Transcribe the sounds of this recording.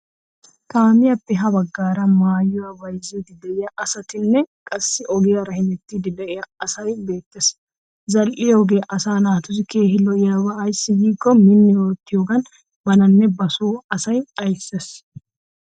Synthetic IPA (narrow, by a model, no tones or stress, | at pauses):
t̪aːmɪjɐpːɛɦɐbɐɡːaːɾɐmaːjːʊwɐwɐjzid̪ɪd̪ɐʔɪjɐʔɐsɐt̪ɪnːɛkʼɐsːɪʔɔɡɪjɐɾɐhɪnɛt̪ːid̪ɪd̪ɐʔɪjɐɐsɐjbe̞ːt̪ːɛs | zɐlʔɪjɔɡeʔɐsaːnaːt̪ʊs̬ɪkeːɦɪlɔjjabɐːjsːɪjiːkːɔminːɪwoːt̪ːɪjoɡɐn | bɐnɐnːɛbɐsuːɐsɐjɐjsːɛs